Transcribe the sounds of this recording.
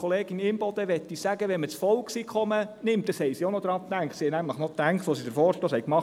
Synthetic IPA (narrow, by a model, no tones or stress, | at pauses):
χɔleːɡ̥ɪnɪmb̥ɔd̪əʋɛt̪ːisæɡ̥əʋɛnmət͡sfɔlksikχɔmənɪmt̚d̥ɑshɛɪjsionod̥̪ɾɑt̪æŋkt̪sihɛjnæmləχnɔt̪æŋkχtʋosidəɾfɔːɾʃtoːshɛjkmɑχ